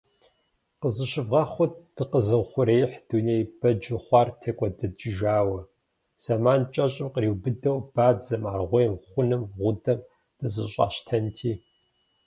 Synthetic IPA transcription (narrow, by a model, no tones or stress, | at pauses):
qəzɨɕɪvʁɐχʷʊt̚d̥ɨqəzɨwχʷʊɾejħd̥uneːjb̥ɐd͡ʒɪχʷɑːrtʰɐkʷʼɔdɐd͡ʒɪʒaːwɐ | sɐmaːnt͡ʃʼɐɕʼɪmqəɾiːwbɨdɐwb̥aːd͡zɐmaːrʁʷɔjmχʷʊnɨmʁʷʊdɐm | d̥ɨzɨɕʼɑ̰ːɕtʰɐntʰiː